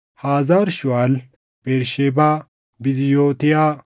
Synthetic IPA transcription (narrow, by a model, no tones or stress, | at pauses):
haːzaːɾʃʊwal | b̥eːɾʃeːbaː | bɪzɪjoːt̪ɪjaː